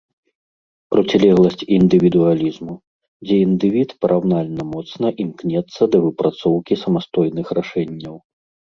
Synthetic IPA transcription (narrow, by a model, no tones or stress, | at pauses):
pɾɔt͡sʲɛlʲɛɣlˠɐsʲt͡sʲind̪ɨvʲid̪ualʲizmu | d͡zʲɛind̪ɨvʲit̪pɐɾʔawnalʲnɐmɔt̪snɐʔimknʲɛt̪sːɐd̪ɐvɨpɾat̪sɔwkʲisɐmast̪ɔjnɨxɾaʂɛnʲːɐw